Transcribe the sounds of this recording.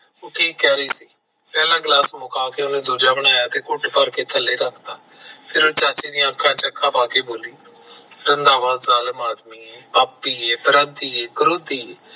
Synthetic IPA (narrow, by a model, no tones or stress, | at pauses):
oːʈʰiːkːɛːɾiːsiː | pɛːlãːɡlaːsmʊkaːkeʊnẽːd̪uːd͡ʒaːbəɽ̃aːjaːt̪eːkʊʈpəɾkeːt̪ʰəlːeːɾəkʰd̪aːpʰɪɾõːt͡ʃaːt͡ʃiːd̪ijãːəkʰːãːt͡ʃəkʰːãːpaːkeːboːliː | ɾənd̪aːʋaːd̪zaːləmaːd̪miːepaːpːiːeːpəɾənt̪iːeːɡʊɾoːd̪iːeː